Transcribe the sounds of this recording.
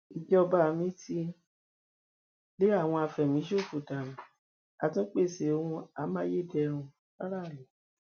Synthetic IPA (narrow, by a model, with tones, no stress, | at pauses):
i˨d͡ʒɔ˦ɔ˧ba˦˧mĩ˦ti˦ | le˦a˦˨w̃ɔ̃˧a˧fɛ˨mĩ˨˦ʃo˦˨fu˨ta˨mĩ˨ | a˧tũ˦k͡pe˦˨se˨o˧hũ˧a˧mã˦je˦˨dɛ˧ɾ̃ũ˧ | k͡pa˦ɾa˦˨ɾi˨